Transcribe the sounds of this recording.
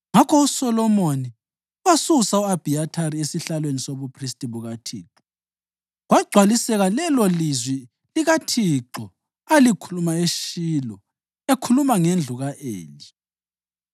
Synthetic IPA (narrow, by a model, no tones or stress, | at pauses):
ŋakʰɔusɔlɔmoni | wasusauab̥ʱiatʰaɾiesiɬalwenisoβupʰristʼiβuɣatʰḭːǁɔ | ɣwaɡ͡ǀʱwalisɛɣalɛlɔlizwi | liɣatʰiǁɔ | alikʰulumaeʃilɔ | ekʰulumaŋend͡ɮʱuɣaʔḛːli